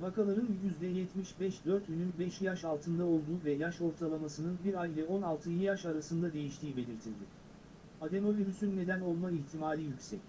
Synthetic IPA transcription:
vakalˠaɾɯnjyzd̪ɛjɛt̪miʃbɛʃd̪øɾt̪jynynbɛʃjaʃalˠt̪ʰɯnd̪ao̞lˠd̪uːvɛjaʃo̞ɾt̪ʰalˠamasɯnɯnbiɾajvʲɛo̞nalˠt̪ʰɯjijaʃaɾasɯnd̪ad̪e̞jiʃt̪ʰiːibe̞lʲiɾt̪ʰilʲd̪ɪ | ad̪e̞mo̞viɾʲysynːe̞d̪æno̞lˠmaiçt̪ʰimaːlʲijycʲsɛc

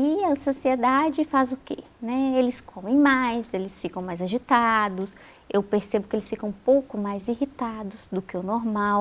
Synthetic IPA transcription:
ɪɐsosied̪ad͡ʒɪfazʊkḛ | nɛelɪskʰõmẽj̃majzelɪsfikɐ̃w̃majzaʒit̪ad̪ʊs | ewpeɾsebʊkɪelɪsfikɐ̃w̃powkʊmajzihit̪ad̪ʊzd̪ʊkɪʊnoɾmaw

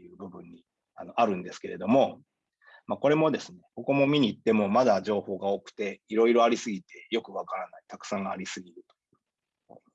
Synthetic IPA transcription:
jɯ̟ːbɯ̟bɯ̟̃ɲ̟ːi | ano̞ʔaɾɯ̟̃nd̪e̞sɨ̥ke̞ɾe̞d̪o̞mo̞ | mako̞ɾe̞mo̞d̪e̞sɨne̞ko̞ko̞mo̞mʲiɲ̟iːt̪ːe̞mo̞mad̪aʑo̞ːho̞ːɡao̞kɯ̟̥t̪e̞iɾo̞iɾo̞aɾʲisɨɡʲit̪e̞jo̞kɯ̟β̞akaɾanait̪akɯ̟̥sãŋɡaa̰ɾʲisɨɡʲiɾɯ̟t̪o̞̥jɯ

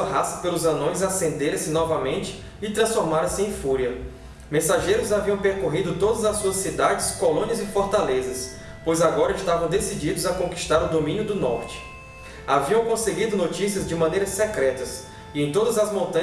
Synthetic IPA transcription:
uɐɦasɐ̥pelʊzɐ̃nõj̃zasẽnd̪eɾsɪnɔvɐmẽnt͡ʃɪ̥ː | t̪ɾɐ̃sfoɾmaɾɐsɪẽj̃fuɾiɐ | mẽsaʒejɾʊzaviɐ̃w̃peɾkoɦid̪ʊt̪od̪ɐzɐsuɐsid̪ad͡ʒɪskolõniɐzɪfoɾt̪alezɐs | pojzaɡɔɾɐiʃt̪avɐ̃w̃d̪esid͡ʒid̪ʊzɐkõki̥ʃt̪aɾʊd̪omĩnjʊd̪ʊnɔɾt͡ʃɪ̥ | aviɐ̃w̃kõseɡid̪ʊnot͡ʃisiɐzd͡ʒɪmɐ̃nejɾɐsɛkɾɛt̪ɐs | ɪẽj̃t̪od̪ɐzɐzmõnt̪ɐ̃

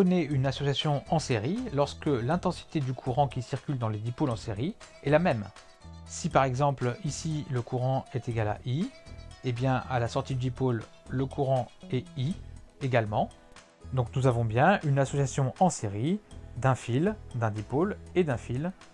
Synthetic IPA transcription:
ɔneynasɔsjasjɔ̃ɑ̃seʁilɔʁskəlɛ̃t̪ɑ̃si̥t̪ed̪ykʰuʁɑ̃kʲisiʁkʲyld̪ɑ̃lezipolɑ̃seʁiɛlamɛm | sipaʁɛɡzɑ̃plisiləkuʁɑ̃ɛt̪eɡala̰ʔiebjɛ̃a̰lasɔʁt̪id̪yipolː | əkʰuʁɑ̃ɛieɡalmɑ̃ | d̪ɔ̃knuzavɔ̃bjɛ̃ynasɔsjasjɔ̃ʔɑ̃seʁid̪ɛ̃fild̪ɛ̃d̪ipoled̪ɛ̃fil

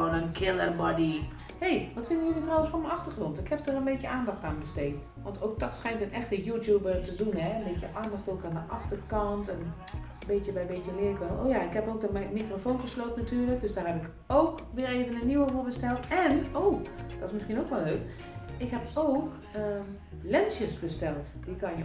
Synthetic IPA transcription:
ənənkʰɪlˠərbɔdi | hejʋɔtfɪndənjølitrɔwənsfomɛɑxtərxrɔntɪkʰhɛpsdarənbeːtjəʔaːndɑxtaːnbəsteːt | ʋɔntʰoːk̚dɔtsxɛjntənɛxtəjutjuːbərtədunɦɛənbeːtjəʔaːndɑxtoːkandəʔɑxtərkɑntɛn | beːtjəbɛjbeːtjəlɪəkɛlˠo̰ːjaɪkhɛpoːk̚dəmɛmikrofoːnχəsloːtənatyːɹlək̚døsdaːrɦɛpɪk | owkʋɪːreːvənənːiwəvoːɹbəstɛlˠtɛnoːd̥ɔtɪsmɪskiənowkʋɛlːøːk | ɪkɦɛpowk | ə | lɛnsjəsbəstɛlˠt | d̥ikʰɑnjə

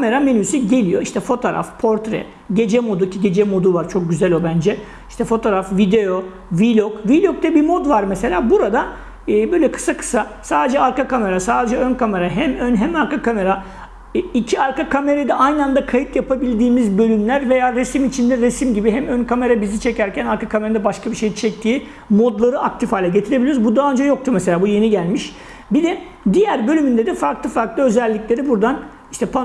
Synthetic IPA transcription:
kʰame̞ɾame̞nysyɟe̞lʲijo̞iʃt̪ʰɛfo̞t̪ʰoːɾa̰fpʰo̞ɾt̪ɾɛ̰ | ɟe̞d͡ʒɛmo̞d̪ucʰiɟe̞d͡ʒɛmo̞d̪uvaɾt͡ʃʰo̞k̚ɟyzælʲo̞bænd͡ʒɛ | iʃt̪ʰɛfo̞t̪ʰoːɾafvid̪e̞jo | vilʲokvilʲok̚t̪ɛbimo̞d̪vaɾmese̞lʲaːbuɾad̪aː | bøjlʲɛkʰɯ̥sakʰɯ̥sa | saːd̪ed͡ʒɛaɾkakʰame̞ɾasaːd̪e̞d͡ʒɛønkʰame̞ɾaɦɛmønɦɛmaɾkakʰame̞ɾa | icʰiaɾkakʰame̞ɾejd̪ɛʔajnɯand̪akʰajit̪japʰabilʲd̪iːmizbø̞lʲymlʲæɾve̞jaːɾesimit͡ʃʰind̪ɛɾesimɟibiɦɛmønkʰame̞ɾabizit͡ʃʰe̞cæɾcʰænaɾkakʰame̞ɾad̪abaʃkʰabiʃejit͡ʃʰɛc̚t̪ʰiː | mo̞d̪lˠaɾɯak̚t̪ʰifhaːlʲɛɟe̞t̪ʰiɾebilʲijɾuzbud̪aːønd͡ʒɛjo̞k̚t̪ʰuɾmese̞lʲaːbuje̞niɟælʲmiʃ | bid̪ɛ | d̪ijæɾbø̞lʲymynd̪ed̪ɛfaɾklˠɯfaɾklˠɯø̞zælʲːiclʲe̞ɾibuɾd̪an | iʃt̪ʰɛpʰa

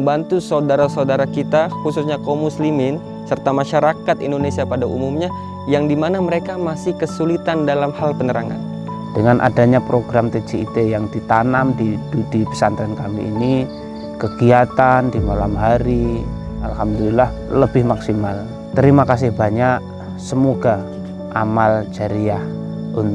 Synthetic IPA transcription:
bant̪usaudaɾasaudaɾakit̪axususɲakomuslimɪn | sərt̪amaʃaɾakat̪indonesiapadaʔumumɲa | jaŋdimanaməɾekamasɪhkəsulit̪andalamhalpənəɾaŋa̰n | d̥əŋanʔa̰daɲapɾoɡɾamt̪et͡ʃeit̪ejaŋdit̪anamdidudipə̥sant̪ɾankamiʔːni | kəɡiat̪andimalamɦaɾi | alhamdulilah | ləbɪhmaksimal | t̪əɾimakas̬ɪhbaɲaʔ | səmoɡa | ʔamald͡ʒaɾiah | ʔun

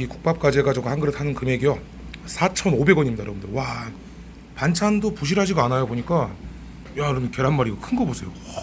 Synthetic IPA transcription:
iku̥k̚p͈ap̚k͈ad͡ʑeɡad͡ʑuɡɯhaŋɡɯɾɯtʰanɯnkɯme̞ɡijʌ | sʰat͡ɕʰʌnobe̞ɡwʌɲimɲidaɾa̰ɡɯndewa | pant͡ɕʰandopuɕ̬ʰiɾɦad͡ʑiɡoanajaboɲik͈a | jaɾʌmike̞ɾɦanmaɾiɡʌkʰɯnɡʌbosʰe̞jo

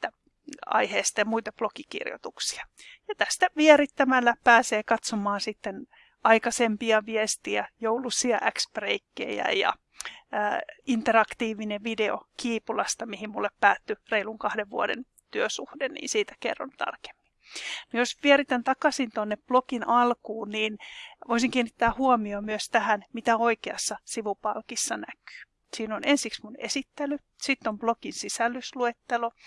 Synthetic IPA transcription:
it̪ːæ | ɑ̰iheːst̪ɑjɑmuit̪ɑplokikḭrjo̰t̪uksi̥ɑ̥jɑt̪æst̪æʋiɛɾit̪ːæmælːæpæːseːkɑt̪somɑːnsit̪ːen | ɑikɑsempiɑʋiest̪iæjoulusiɑʔækspreikːḛjæ̰jɑ̰ː | int̪erɑkt̪iːʋineʋideokiːpulɑst̪ɑmihimmulːeppæːt̪ːyreiluŋkɑhdeʋʋuodḛn | t̪yøsuhdennḭːnsiːt̪æ̥kḛrːo̰nt̪ɑ̰rke̥mːi̥nnojosʋieɾit̪ænt̪ɑkɑsint̪onːepplokinʔɑlkuːnniːnʋoisiŋkiːnːit̪ːæːhuomiomyøst̪æhænmit̪æoikeɑ̰sːɑsiʋupɑlkisːɑnæky̥ː | siːnonensiksmunḛsit̪ːely | sit̪ːomblokinsisælːysluet̪ːelo

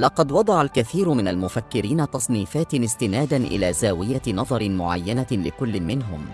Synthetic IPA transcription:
lɑqɑd̪wɑd̪ˤɑʕalkaθiːɾʊmɪnalmʊfakːɪɾiːnat̪ɑsˤniːfaːt̪ɪst̪ɪnaːd̪anʔɪ̰laːzaːwɪjanɑðˤɑɾˤɪmʊʕa̰jːanalɪkʊlːɪmɪnɦʊ̰m

